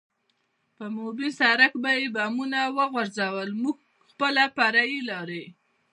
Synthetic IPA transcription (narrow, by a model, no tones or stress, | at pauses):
pəmobisaɾakbajebamunawəɣwaɾzawəlmuɡ | xpəlapaɾajilɑɾe